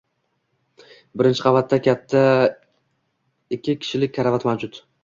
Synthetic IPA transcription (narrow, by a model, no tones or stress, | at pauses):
bɪɾɪnt͡ʃʰɪ̥qʰɑvat̪ːakʲʰat̪ʰːa | ɪkʲʰːɪkʲʰɪ̥ʃɪlɪk̚ʲkʰaɾavat̪mawd͡ʒʊt̪